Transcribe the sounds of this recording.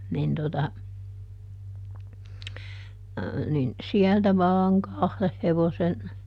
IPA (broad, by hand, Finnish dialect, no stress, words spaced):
nin totɑ nin siæltæ ʋɑːŋ kɑhleh heʋosen